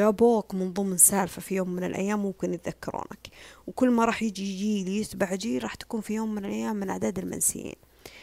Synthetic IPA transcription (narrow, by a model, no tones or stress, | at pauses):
jaboːkmɪnðˤʊmnsaːlfafijoːmːɪnɪ̰lʔa̰jːaːmːʊmkɪnjɪt̪ðakːɑ̰ɾˤʔṵːna̰kwkʊlːmaɾˤɑːħjɪd͡ʒid͡ʒiːljɪsbaʕd͡ʒiɾˤɑːħt̪ḁkuːnfijoːmːɪnɪlʔajːaːmːɪnʔaʕd̪aːd̪ɪlma̰nsɪ̰jḭːn